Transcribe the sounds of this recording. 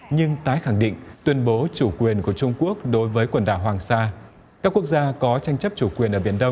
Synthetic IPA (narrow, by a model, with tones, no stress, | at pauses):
ɲɨ˧ŋt̪aː˨˦jxa˧˩ŋɗḭ˧˨ŋ̟t̪wi˧ənɓo˨˦t͡ɕu˧˩kwi˨˩ənku˧˩ət͡ɕʊ˧ŋ͡mku˦˥ək̚ɗo˨˦jvəː˨˦jkwə˧˩nɗaː˧˩ɦwaː˨˩ŋsaː˧ | kaː˦˥k̚ːu˦˥ək̚zaː˧kɔ˨˦t͡ɕa˧jŋ̟t͡ɕə˦˥p̚t͡ɕu˧˩kwi˨˩ənʔəː˧˩ɓi˧˩ənɗə˧wŋ͡m